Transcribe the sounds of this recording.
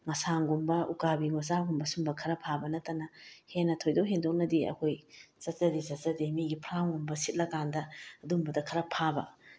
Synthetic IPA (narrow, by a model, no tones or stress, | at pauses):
ŋɐsaŋɡumbɐʔukabiŋɐzaɡumbɐsumbɐkʰɐɾɐpʰabɐnɐtːɐnɐhenːɐtʰojdɐwɦendok̚nɐdiɐ̰kʰojz̥ɐtzɐdizɐtzɐdimiɡipʰɾaŋumbɐsit̚lɐkandɐɐdumbɐdɐkʰɐɾɐpʰabɐ